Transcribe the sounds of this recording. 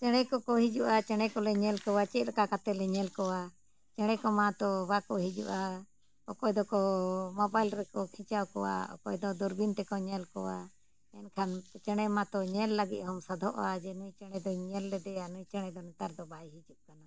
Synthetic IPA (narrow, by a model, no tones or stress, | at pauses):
t͡ʃɛɽ̃ɛkɔkɔɦid͡ʒuʔat͡ʃɛɽ̃ɛkɔlɛɲɛlkɔwat͡ʃɛt̪̚ɾakakat̪ɛlɛɲɛlkɔwa | t͡ʃɛɽ̃ɛkɔmat̪ɔbakɔɦid͡ʒṵʔa | ɔkɔjd̪ɔkɔmɔbajlɾɛkɔkʰĩt͡ʃawkɔwa̰ɔ̰kɔ̰jd̪ɔd̪ɔɾbint̪ɛkɔɲɛlkɔwa̰ | ɛnkʰant͡ʃɛɽ̃ɛmat̪ɔɲɛlːaɡit̪̚hɔmsad̪ʱɔʔad͡ʒɛnujt͡ʃɛɽ̃ɛd̪ɔɲɛlːɛd̪ɛanujt͡ʃɛɽ̃ɛd̪ɔnɛt̪aɾd̪ɔbajɦid͡ʒuʔkana